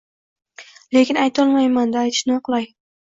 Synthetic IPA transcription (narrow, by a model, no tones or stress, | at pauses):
le̞kʲɪnajt̪ʰɒlˠmajmand̪aːjt̪ʰɪ̥ʃnɪqlˠaj